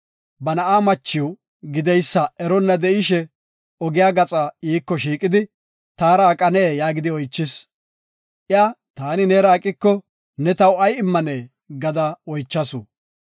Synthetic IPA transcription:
bɐnɐʔaːmɐt͡ʃːɪw | ɡɪd̪ɛjsːɐʔɛɾɔnːɐd̪ɛɪʃɛ | ɔɡɪjaːɡɐt͡sʼaiːkːɔʃiːkʼɪd̪ɪ | t̪aːɾaːkʼɐneːjaːɡɪd̪ɪɔjt͡ʃːɪs | ʔɪat̪aːnɪneːɾaːkʼːɪkːɔ | nɛt̪ɐwɐjɪmːɐneː | ɡɐd̪ɐɔjt͡ʃːɐsʊ

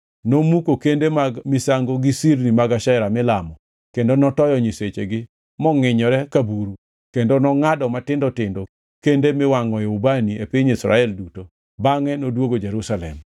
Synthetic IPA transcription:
nomukokendemamɪsaŋɡoɡisiɾnimaɡaʃɛɾamɪlamɔ | kendonɔtɔjɔɲiset͡ʃeɡɪ | mɔŋɪɲɔɾɛkabuɾu | kendonɔŋadɔmatɪndɔtɪndo | kendemɪwaŋɔeubaniepiɲisɾa̰ɛlduto | baŋɛnodwoɡod͡ʒeɾusalɛ̰m

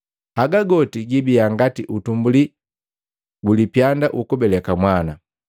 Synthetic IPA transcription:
aɡaɡɔtiɡibiaŋɡatiʔutumbuli | ɡulipjandaʔukubɛlɛkamwana

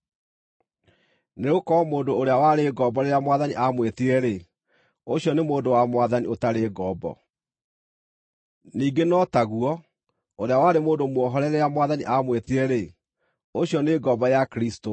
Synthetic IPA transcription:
neokɔmoːndoːɾeawaɾeɡɔbɔɾeɾjamwaðaniʔamwetiɾɛɾe | oɕjɔnemoːndowamwaðaniotaɾeːɡɔbɔ̰ | niːɡenɔtaɣuɔ | oɾeawaɾemoːdomwɔɦɔɾɛɾɛjamwaðaniʔamwetiɾɛɾe | oɕjɔneːɡɔbɔjakɾisto

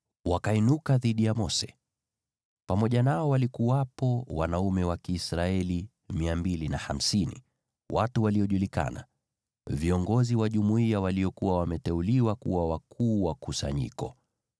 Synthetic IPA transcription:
wakainukaðiɗijamɔsɛ̥ | pamɔʄanaɔwalikuwapɔwa̰naumɛwakiːsɾaɛli | miambilinaham̩sinḭ | watuwaliɔʄulika̰na̰ | viɔŋɡɔziwaʄumuiawaliɔkuwawamɛtɛuliwakṵwawakʰuːwakusa̰ɲḭkɔ

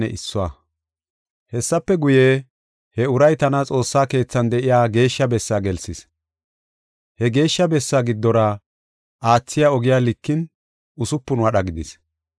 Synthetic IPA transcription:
ɛ̰ʔɪsːʊwa̰ | hɛsːɐpːɛɡʊje | hɛʊɾɐjt̪ɐnɐt͡sʼo̞ːsːaːke̞ːt͡sːɐnd̪ɛʔɪjaːɡe̞ːʃːɐbɛsːaːɡɛlsɪs | hɛɡe̞ːʃːɐbɛsːaːɡɪd̪ːɔɾɐ | ʔaːt͡sːɪjaɔɡɪjaːlɪkːɪn | ʊsʊpːʊnʊɐɗɐɡɪd̪ɪs

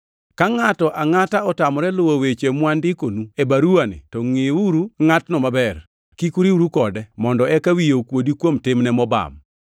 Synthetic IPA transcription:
kaŋatɔʔaŋataɔtamɔɾɛlʊwowet͡ʃemwandɪkonuebaɾuanɪ̰tɔŋɪuɾuŋatnɔmabɛr | kikuɾiuɾukɔdɛmɔndɔɛkawijokwodikwomtɪmnɛmɔba̰m

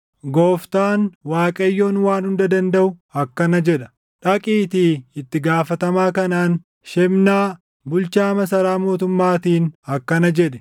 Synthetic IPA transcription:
ɡoːft̪aːnwaːkʼɐjːo̞ːnwaːnhʊnd̪ɐd̪ɐnd̪ɐʔʊɐkːɐnɐd͡ʒɛᶑɐ̥ | ᶑɐkʼiːt̪iːɪt̪ːɪɡaːfɐt̪ɐmaːkɐnaːn | ʃɛmnaː | bʊlt͡ʃaːmɐsɐɾaːmo̞ːt̪ʊmːaːt̪iːnɐkːɐnɐd͡ʒɛᶑɛ̥

